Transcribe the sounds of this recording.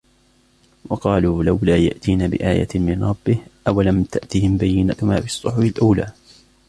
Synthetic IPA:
wʔɑqɑːluːlawlaːja̰ʔt̪iːnaːbɪ̰ʔa̰ːja̰mɪnɾˤɑbːɪhʔawalamt̪aʔt̪ihɪmbajːɪnaʊmaːfɪsˤːʊħʊfɪlʔuːlaː

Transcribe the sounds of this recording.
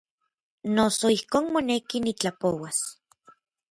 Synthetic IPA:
nosoihkoːnmonekinit͡ɬapowas

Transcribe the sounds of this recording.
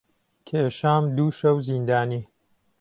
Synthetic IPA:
kʰeːʃaːmd̪uːʃɐwzind̪aːniː

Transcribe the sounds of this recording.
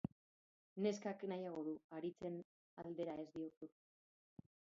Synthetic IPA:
ne̞skaknajaɣ̞o̞ðuaɾit͡se̞n | ald̪e̞ɾae̞zd̪io̞su

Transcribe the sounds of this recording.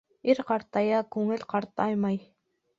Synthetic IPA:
iɾqɑɾt̪ɑjɑkɵŋɘlʲqɑɾt̪ɑjmɑj

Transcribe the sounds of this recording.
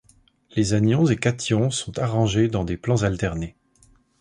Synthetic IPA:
lezanjɔ̃zekat̪jɔ̃sɔ̃t̪aʁɑ̃ʒed̪ɑ̃d̪eplɑ̃zalt̪ɛʁne

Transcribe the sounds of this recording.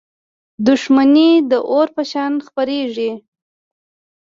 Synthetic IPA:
d̪ʊʂmanid̪əʔoɾpəʃɑnxpaɾeʐi

